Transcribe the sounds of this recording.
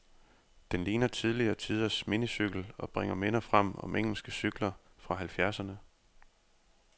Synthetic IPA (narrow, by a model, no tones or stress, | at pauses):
d̥enliːnɐt͡sʰið̞ˠliɐːt͡sʰið̞ˠɐsminisyɡ̥l̩ɒ̽b̥ʁeŋ̰ɐmenɐfʁam̰ɒ̽mʔeŋ̰l̩sɡ̥əsyɡ̥lɐ | fʁɑ̈ɦælfjæɐsɐnə